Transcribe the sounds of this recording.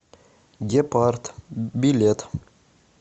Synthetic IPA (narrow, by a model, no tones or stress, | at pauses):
ɡʲepaɾt̪bilʲet̪